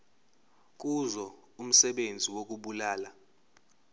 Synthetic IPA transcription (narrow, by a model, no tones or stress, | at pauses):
k̬ʼuzɔ | um̩sɛɓend͡zʱiwok̬ʼuɓulaːla